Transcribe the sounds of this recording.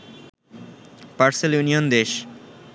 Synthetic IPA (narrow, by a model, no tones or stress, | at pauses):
paɾseljunijond̪eʃ